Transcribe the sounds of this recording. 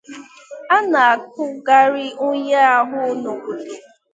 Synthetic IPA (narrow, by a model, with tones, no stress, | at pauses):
a˦na˨a˨k̚ʊ˦ɡa˦ɾɪ˦ʊ˦ɲe˦a˦ɦʊ˦no˨ɡu˨de˨